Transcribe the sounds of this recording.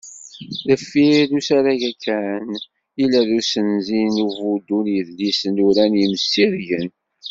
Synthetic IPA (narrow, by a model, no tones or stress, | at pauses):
ðəfːiɾusaɾæʝækʰːæn | ilæðusənzinuvud̪unjəðlisənuɾænjimsːiɾjən